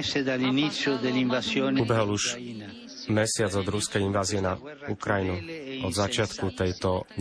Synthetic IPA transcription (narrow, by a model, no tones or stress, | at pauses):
sed̪alinit̪sːjod̪eliɱvasjɔːnubɛɦɔluʒ | mɛsɪad͡zɔd̪ɾuskɛjinʋaːziɛnaukɾajinuɔd̪zat͡ʃɪat̪kut̪ɛjt̪ɔ